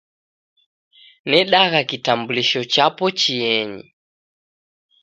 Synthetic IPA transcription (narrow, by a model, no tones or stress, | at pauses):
nɛɗaɣakitambuliʃɔt͡ʃapɔt͡ʃiɛɲḭ